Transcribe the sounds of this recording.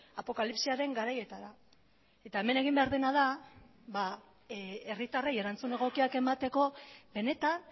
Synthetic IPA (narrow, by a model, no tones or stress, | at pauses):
apo̞kalipsiaɾe̞ŋɡaɾaje̞t̪aɾa | e̞t̪ae̞me̞ne̞ɣ̞imbe̞aɾðe̞naða | βa | erit̪areje̞ɾant͡sune̞ɣ̞o̞kiake̞mat̪e̞ko̞βe̞ne̞t̪an